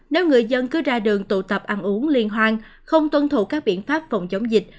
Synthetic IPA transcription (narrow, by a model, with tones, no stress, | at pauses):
ne˨˦wŋɨ˨˩əjzə˧nkɨ˨˦zaː˧ɗɨ˨˩əŋt̪ṵ˧˩t̪ə˨˩p̚ʔa˧nʔu˨˦əŋli˧ənɦwaː˧n | xə˧wŋ͡mt̪wə˧nt̪ʰu˧˨˩kaː˦˥k̚ɓḭ˧˨ənfaː˦˥p̚fə˨˩wŋ͡mt͡ɕə˨˦wŋ͡mzï˨˩k̟̚